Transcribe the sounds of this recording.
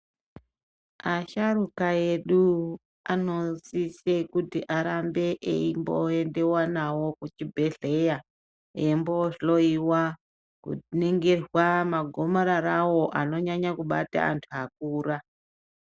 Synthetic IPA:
aʃaɾukae̞ɗu | ano̞sisekutiʔaɾambe̞ʔḛimbo̰ende̞wanawo̞kut͡ʃibʱe̞ɮe̞ja | emboɬoiwa | kṵneŋɡe̞rwamaɡʱo̞maɾaɾawo̞ʔano̞ɲaɲakuɓa̰ta̰ːntʰuak̚uːra

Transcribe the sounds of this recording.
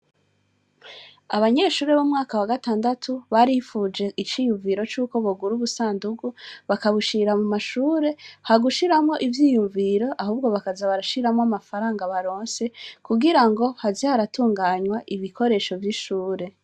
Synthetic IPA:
aβaɲe̞ːʃuːɾe̞βomŋaːkawaɡataːndatʰuβaɾihifuːd͡ʒe̞ʔit͡ʃiːjuɱviɾo̞t͡ʃuːko̞βoɡuɾuβusaːnduɡuβakaβuʃiɾamumaʃuːɾe̞haɡuʃiɾamŋo̞ʔivjiːjuɱviɾo̞ʔaɦuːbɡo̞βakazaβaɾaʃiɾamŋoamafaɾaːŋɡaβaɾo̞ːnse̞kuɡiɾaŋɡo̞hazihaɾatʰuːŋɡaːɲwaʔiβikʰo̞ɾe̞ʃo̞vjiʃuːɾe̞

